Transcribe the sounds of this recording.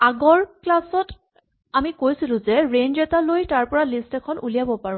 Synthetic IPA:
aɡɔɹklasɔt | amikojsilʊ̃zɛɹend͡ʒɛtalojtaɹpɔɹalistɛkʰɔnṵlijabɔpaɹʊ̃

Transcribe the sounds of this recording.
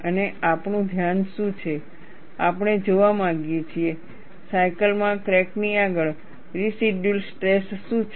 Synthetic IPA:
əneapnũd̪ʱjanʃũt͡ʃʰe | apɳ̃ed͡ʒoʋamãɡjet͡ʃʰie | sajkəlmãkɾɛkniaɡəɭ | ɾisiɖjulsʈɾesːũt͡ʃʰ

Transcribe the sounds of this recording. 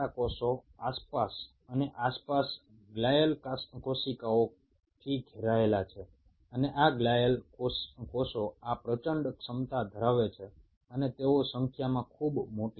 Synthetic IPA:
akɔsoaspas | əneʔaspas | ɡlajəlkaskosikao | t̪ʰiɡʱeɾaelat͡ʃʰe | əneʔaɡlajəlokɔsoapɾət͡ʃəɳɖksəmt̪ad̪ʱəɾaʋet͡ʃʰe | ənet̪eosəŋkʰjamãkʰubmoʈi

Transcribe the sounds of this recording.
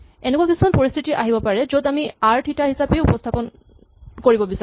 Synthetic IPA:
enekwakisʰu̥kʰɔnpoɹist̪ʰitiʔaɦibɔpaɹɛzod̪amiaɹʈʰitaɦisapejupɔst̪ʰapɔn | koɹibɔbisa

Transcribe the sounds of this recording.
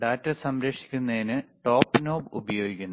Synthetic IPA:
ɖaːtːɐsɐmɾɐkʂi̥kʲːunːɐðinɨʈo̞ːpːno̞ːbṵbɐjo̞ːɡikʲːunː

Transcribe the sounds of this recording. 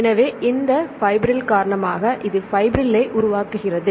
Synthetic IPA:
ɛnɐʋeːʔɪnd̪ɐfɐɪbɪɾɪlkaːɾɐɳɐmaːɣɐʔɪðɯfɐɪbɪɾɪlɐɪʔʊɾʊʋaːkːɯɣɪrɐðɯ

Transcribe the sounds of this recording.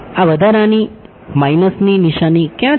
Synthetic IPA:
aʋəd̪aɾãni | majnəsniniʃanikjã

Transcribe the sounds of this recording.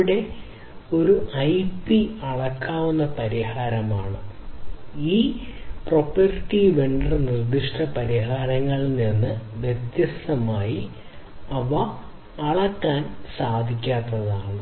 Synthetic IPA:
ɽe̞ | o̞ɾuʔɐjpiɐɭɐkːaːʋunːɐpɐɾihaːɾɐmaːɳɨ | iːpro̞pɐrʈːiʋeɳɖrɨnird̪iʂʈɐpɐɾiɦaːɾɐŋːɐɭninːɨʋjed̪jɐsɐmaːji | ɐʋɐː | ɭɐkːaːnsaːd̪ʱikʲːaːt̪ːɐðaːɳɨ

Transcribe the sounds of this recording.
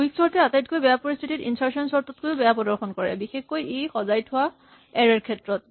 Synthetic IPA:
uiksɔɹtɛatajt̚kojbɛjapɔɹist̪ʰititḭnsaɹsɔnsɔɹtɔt̚kojʊbɛjapɔdɔɹxʰɔnkɔɹɛ̰bixexːojejxɔzajtʰʊa | ɛɹɛɹkʰɛtɹɔt̚

